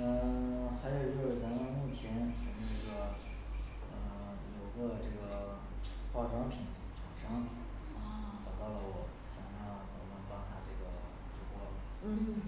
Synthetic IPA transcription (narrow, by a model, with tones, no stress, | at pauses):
ə˥˩xa˧˥ɪjo˨˩ʊt͡ɕjo˥˧ʊʂɻ̩˥˩t͡sa˧˥mə˥˧mu˥˩t͡ɕʰjɛ˧˥nʈ͡ʂə˨˩ŋə˧˥ʈ͡ʂɤ˥˩ɡə˩ | ə˧˩ | jo˨˩ʊɡə˧ʈ͡ʂɤ˥˩ɡə˩ | xɑ˥˩ʊʈ͡ʂwɑ˥ŋpʰi˨˧˥n | ʈ͡ʂa˨˩ŋʂɤ˥ŋ | ə˧˩t̪ɑ˨˩k̪ɑ˥˩ʊlə˩wɔ˨˩˦ | ɕjɑ˨˩ŋʂɑ˥˩ŋt͡sə˨˩mə˧˥nɤ˧˥ŋpɑ˥ŋt̪ʰa˥ʈ͡ʂɤ˥˩ɡə˩ | ʈ͡ʂɻ̩u˧˥kwɔ˥˩d̪ə˨˩˥